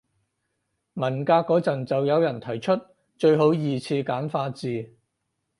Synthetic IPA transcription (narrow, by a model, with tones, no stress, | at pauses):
mɐ˨˩nkaː˧kːɔː˨˥t͡sɐ˨nt͡sɐ˨wjɐ˨˧wjɐ˨˩nt̪ʰɐ˨˩jt͡ʃʰɵ˥t̚ | t͡ʃɵ˧ɥɦo˨˥wjiː˨˧t͡sʰiː˧kaː˨˥nfaː˧t͡siː˨